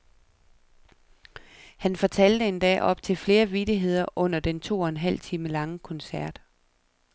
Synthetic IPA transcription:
hænfɒ̽t͡sʰæl̰d̥əe̝nd̥ɛ̰ːʔɒ̽b̥̚t͡sʰe̝lfle̝ːɐʋid̥iɦe̝ð̞̰ˠɐʔɔ̽n̰ɐd̥ent͡sʰo̝̰ːɒ̽enɦæl̰t͡sʰiːməlɑ̈ŋəkʰɒ̽nsæɐ̰d̥

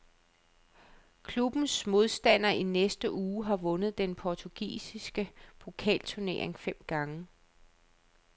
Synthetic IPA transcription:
kʰlub̥n̩smo̝ð̞ˠsd̥æn̰ɐinesd̥əʔuːɦɑ̈ʋɔ̽nəð̞̩ˠd̥enpʰɒt͡sʰuɡ̥ḭːsisɡ̥əpʰo̝kʰɛ̰ːlt͡sʰuɐne̝̰ɐ̰e̝ŋfem̰ɡ̥ɑ̈ŋə

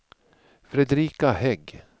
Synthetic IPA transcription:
fɾɛd̪ɾiːkahɛɡ

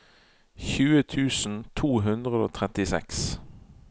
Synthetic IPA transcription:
çʉːət̪ʰʉːsn̩t̪ʰuːɦʉnd̪ʁəd̪o̰ːt̪ʰʁɛt̪ɪsɛ̰ks

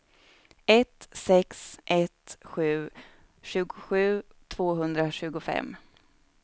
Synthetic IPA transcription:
ɛt̪sɛksʔɛt̪ɧʉ̟ː | ɕʉ̟ːɡʊ̥ɧʉ̟ː | t̪ʰv̥oːɦɵnd̪ɾaɕʉ̟ːɡʊfɛ̰mː

